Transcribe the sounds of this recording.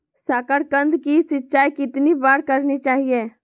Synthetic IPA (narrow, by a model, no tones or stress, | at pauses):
saːkəɽkə̃nd̪kisɪtːt͡ʃaːjkɪt̪nibaːɽkɐɾnit͡ʃaːɦieː